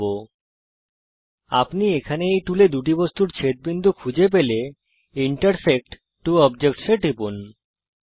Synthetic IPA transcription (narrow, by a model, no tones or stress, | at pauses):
o | a̰pniekʰaneejʈuled̪uʈ̬ibost̪uɾt͡ɕʰet̪̚bind̪ʱukʰud͡ʑep̬ele | iɳʈaɾsek̚ʈː | uɔbd͡ʑekʈʃeʈipun